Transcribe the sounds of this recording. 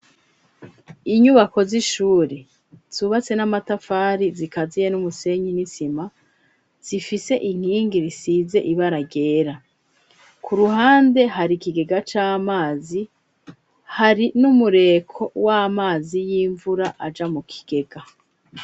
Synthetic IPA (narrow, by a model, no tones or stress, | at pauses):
iɲuβako̞ziʃuːɾe | z̥uːβat͡se̞namatafaːɾizikazije̞numuse̞ɲinisima | z̥ifise̞ʔiŋ̥hiːŋɡiɾisiːze̞ʔiβaɾaɡe̞ːɾa | kuɾuɦaːnde̞ɦaɾikiɡe̞ɡat͡ʃaːmaːzi | haɾinumuɾe̞ːkʰo̞wamaːzijiːɱvuɾaʔad͡ʒamukʰi̥ɡ̥e̞ɡ̥a